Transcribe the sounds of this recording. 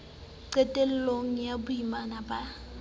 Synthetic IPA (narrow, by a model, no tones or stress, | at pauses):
ǀɛtʼɛl̩loŋ̩jabʊjimanaba